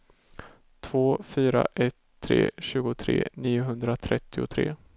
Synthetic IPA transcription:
t̪ʰvoːfyːɾa̰ʔɛt̪ʰːɾḛːɕʉ̟ːɡʊt̪ʰɾḛːniːʊɦɵnd̪ɾat̪ʰɾɛt̪ːɪʊt̪ʰɾeː

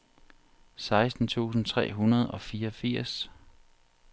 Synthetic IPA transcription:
sɑ̈ɪsd̥n̩t͡sʰṵːsn̩t͡sʰʁɛ̰ːɦunɐð̞ˠɒ̽fiːɐɒfiɐ̰s

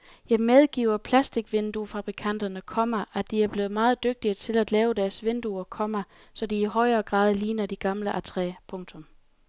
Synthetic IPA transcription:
jɑ̈ɪmeð̞ˠɡ̥ḭːʊ̰ɐpʰlæsd̥iɡ̥ʋend̥ufɑ̈b̥ʁikʰæn̰d̥ɐnəkʰɒ̽mɐʔæd̥iæɐb̥le̝ːð̞̩ˠmɑ̈ːð̞̩ˠd̥øɡ̥̚d̥iət͡sʰe̝læd̥lɛːʊd̥æɐsʋend̥uɐkʰɒ̽mɐ | sɒ̽d̥iːɦɒ̽ɪ̰ɐːɡ̥ʁɑ̰̈ːð̞ˠliːnɐd̥iɡ̥ɑ̈mləʔæt͡sʰʁɛ̰pʰɔ̽ŋt͡sʰɔ̽m

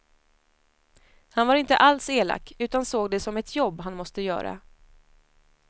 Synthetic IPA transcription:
hanvaɾɪnt̪ə̰ʔalseːla̰kːʉ̟ːt̪ansoːɡd̪ɛsɔmɛt̪ʰjɔbːɦanmɔst̪əjœ̰ːɾa̰

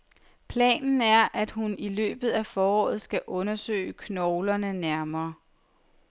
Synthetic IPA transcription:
pʰlɛ̰ːnn̩æɐʔæd̥hunilø̰ːb̥ð̞̩ˠæfɒːɒ̰ːð̞̩ˠsɡ̥æʔɔ̽nɐsø̰ːəkʰnɒʊlɐnənæɐmɐː

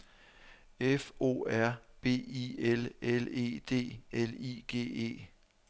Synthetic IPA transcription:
efo̝̰ːæɐ̰b̥e̝̰ːielele̝̰ːd̥e̝̰ːeliːɡ̥e̝̰ːe̝̰ː

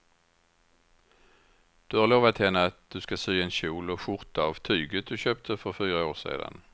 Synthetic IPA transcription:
d̪̥ʉhɑʁloːʋvat̪ʰːɛːnəat̪̚d̪̥ʉskasyːɛnɕuːlɔfʊʁt̪ɑʋt̪ʰyːɡəd̪ʉɕøːp̚t̪ʰəfɔʁfyːʁəoːʁsḛːd̪a̰n

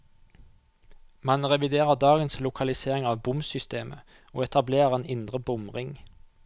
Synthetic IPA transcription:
mɑnʁɛʋɪd̪eːʁəʁd̪ɑːɡənslʊkʰɑlɪseːʁɪŋɑːʋbʊmsʏst̪eːmʔə̰ | o̰ːɛt̪ʰɑbleːʁʁeːnɪnd̪ʁəbʊmʁɪŋ

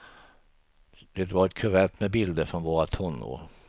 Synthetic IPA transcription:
d̪̥et̪vaɾɛt̪kʰɵɾɛt̪ːmɛbɪld̪əɾfɾɔnvoːɾat̪ʰɔnːo̰

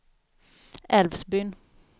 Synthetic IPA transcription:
ɛlvsbʏn

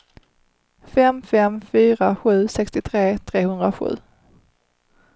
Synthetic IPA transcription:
fɛmfɛmfyːɾaɧʉ̟ːsɛkst̪ɪt̪ʰɾeːt̪ʰɾeːhɵnd̪ɾaɧʉ̟̰ː

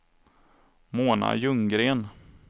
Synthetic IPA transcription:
moːna̰jɵŋɡɾeːn

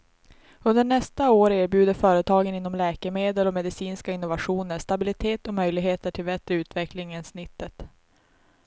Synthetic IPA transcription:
ɵnd̪əɳɛst̪aoːɾeːɾbjʉ̟ːd̪əfœːɾət̪ʰɑːɡənɪnːɔmlɛːkəmeːd̪əlɔmɛd̪ɪsiːnskaɪnːʊvaɧuːnəʂt̪abɪlɪt̪ʰeːt̪ɔmœjlɪɡɦeːt̪əʈʰɪlbɛt̪ɾəʉ̟ːt̪vɛklɪŋənsnɪt̪ːət̪

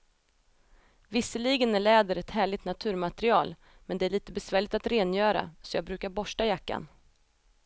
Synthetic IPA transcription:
vɪsːəliɡənæɭɛːd̪əɾɛt̪hæːɭɪɡt̪nat̪ʰʉ̟ːɾmat̪ɾɪɑːl | mɛnd̪ɛæɭiːt̪əbɛsvæːɭɪkt̪at̪ɾeːnjœːɾa̰sɔjɑːɡbɾʉ̟ːkaɾbɔʂʈajakːa̰n

